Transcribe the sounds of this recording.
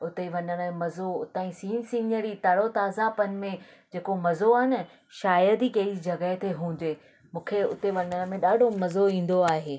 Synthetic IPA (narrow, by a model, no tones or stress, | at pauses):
ʊt̪eʋɐɲəɽ̃əẽmɐzoʊt̪aːĩsiːnsĩːnəɾit̪aɽot̪aːzapənɪ̆mẽ | d͡ʑeːkomɐzoɐɦɪnɪ̆ | ʃaːjəd̪ikɐɦɪɾid͡ʑʱɐɡət̪ʰeɦũːɲ̆d͡ʑeː | mũːkʰeʊt̪eʋɐɲəɽ̃ə̆mẽɗaːɖʱomɐzoĩːn̆d̪oaːɦeː